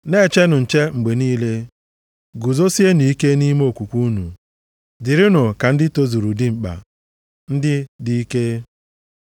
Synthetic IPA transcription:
ne˦˨t͡ʃe˦nʊ˨n̩˨t͡ʃe˦ŋ͡m̩˨ɡ͡be˨niː˦le˦ | ɡu˨zo˦si˦e˦ni˨i˦ke˦ni˦mo˦˨kʷu˨kʷu˦nṵ˨ | dɪ˨ɾɪ˦nʊ˨ka˨n̩˦dɪ˦to˦zu˨ɾu˨dɪ˦ŋ͡m̩˨k͡pa̰˨ | n̩˦dɪ˦di˦i˦ke˦

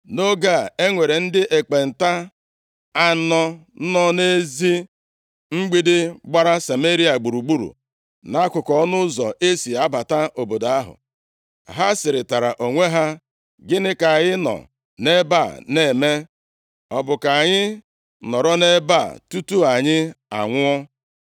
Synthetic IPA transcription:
no˦ɡa˦˨e˦ŋʷe˨ɾe˨n̩˦dɪ˦ʔe˨k͡pe˨n̩˨ta˦ | a˦nɔ˦nɔ˦ne˦zi˦ | ŋ͡m̩˦ɡ͡bi˦dɪ˦ɡ͡ba˦ɾa˦sa˨me˦ɾi˦a˨ɡ͡bu˨ɾu˨ɡ͡bu˦ɾṵ˨ | na˦kʷʊ˨kɔ˦ɔ˦nʊ˦zɔ˨ʔe˦si˨a˦ba˨ta˦ʔo˨bo˨da˦ɦʊ̰˨ | ɦa˦sɪ˨ɾɪ˨ta˨ɾa˨ʔo˨ŋʷe˦ɦa˦ | ɡɪ˦nɪ˦ka˨ɲɪ˦nɔ̰˨ | ne˦ba˦˨ne˨me˦ | ɔ˨bʊ˨ka˨ɲɪ˦ | nɔ˨ɾɔ˦ne˦ba̰˦˨tu˦tu˦a˨ɲɪ˦a̰˨ŋʷʊ˦ɔ˦

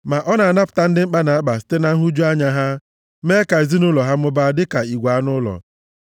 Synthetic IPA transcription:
ma˨ʔɔ˦na˨a˨na˦pʊ̥˨ta˦n̩˦dɪ˦ŋ͡m̩˦k͡pa˦na˨a˦k͡pa˨si̥˦te˦na˦ɦu˦d͡ʒu˦a˦ɲa˦ɦa˦ | me˦ka˨e˨zi˦nʊ˦lɔ˨ɦa˦m̩˦ʊ˦ba˦dɪ˦ka˨i˨ɡʷa˨a˦nʊ˦lɔ̰˨

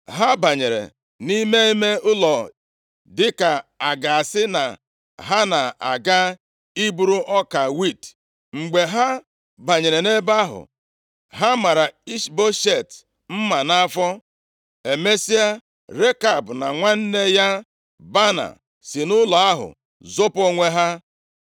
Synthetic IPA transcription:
ɦa˦ba˨ɲe˨ɾḛ˨ | ni˦me˦i˦me˦ʊ˦lɔ˨ | dɪ˦ka˨a˨ɡa˨a˨sɪ˦na̰˨ | ɦa˦na˨a˨ɡa˦ | i˦bu˦ɾu˦ʔɔ˦ka˨wi˦˨t | ŋ͡m̩˨ɡ͡be˨ɦa˦ | ba˨ɲe˨ɾe˨ne˦ba˦ɦʊ̰˨ | ɦa˦ma˨ɾa˨i˦ʃbo˦ʃe˦˨t | m̩˦ma˨na˦a˦fɔ˦ | e˨me˦si˦a˦ | ɾe˦ka˨bʊ˨na˨ŋʷa˦n̩˦ne˦ja˦ | ba˦na̰˨ | si˨nʊ˦lɔ˨a˦ɦʊ̰˨ | zo˦po˦ŋʷe˦ɦa˦

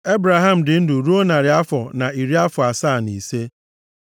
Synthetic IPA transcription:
e˦bɾa˨ɦa˦m̩˨dɪ˨n̩˦dʊ˨ɾu˦o˦na˨ɾɪ˨a˦fɔ˨na˨i˨ɾi˦a˦fɔ˨a˨saː˦˨ni˨se˦

